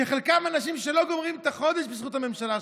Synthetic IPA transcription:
eχelkamanaʃ̬imʃelo̞ɡo̞mʁimt̪aχo̞d̪eʃbesχut̪hame̞mʃala

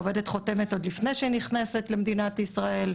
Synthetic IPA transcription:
ove̞de̞tχote̞met̪o̞d̪lifnejʃeniχnese̞t̪lemd̪inat̪isʁae̞l

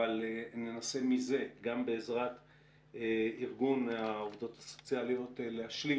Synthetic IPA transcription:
alenenase̞mize̞ɡambe̞ːzʁat̪ | eiʁɡunaovd̪o̞t̪aso̞t͡sialijo̞t̪eleaʃli

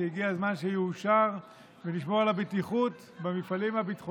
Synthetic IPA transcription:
eiɡiazmanʃejːʃaʁ | veniʃmoʁlabet̪iχut̪ | bemifalimhabit̪χo

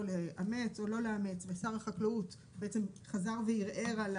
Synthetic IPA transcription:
leʔame̞t͡so̞lo̞leamet͡svesaʁaχaklaut | beet͡semχazaʁvejiʁʔeʁal

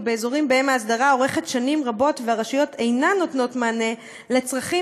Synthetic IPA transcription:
be̞ːzo̞ʁimbeemaːs̬daʁao̞ʁe̞χetʃanimʁabo̞tveaʁaʃijotʰe̞jnanːo̞tno̞tmaːne̞ | le̞t͡sʁaχi

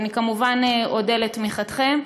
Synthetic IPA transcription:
nikamuvaneodeletmiχat̪χem

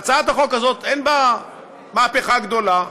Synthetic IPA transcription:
t͡saat̪aχokazot̪enba | maːpeχaɡd̪o̞la

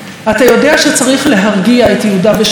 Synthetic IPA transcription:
atajo̞deaʃet͡saʁiχle̞ɦaʁɡiaetjeudabeʃ

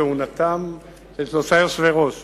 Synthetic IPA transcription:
eunat̪am | let̪osaosveʁot

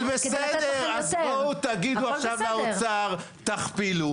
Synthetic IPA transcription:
besed̪eeʁʁazbot̪aɡid̪uaχʃavaot͡saʁ | t̪aχpilu

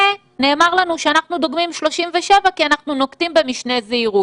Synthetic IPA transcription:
e | ne̞ːmaʁlanuʃeanaχnud̪oɡmimʃlo̞ʃimveʃe̞vakianaχnuno̞kt̪imbe̞miʃne̞zeiʁu

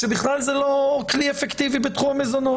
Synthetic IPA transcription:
ʃebiχlalzelo̞kliefekt̪ivibet̪χumamezono

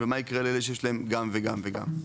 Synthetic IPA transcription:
vemaikʁeleleʃ̬ejʃ̬laemɡamveɡamveɡa̰m

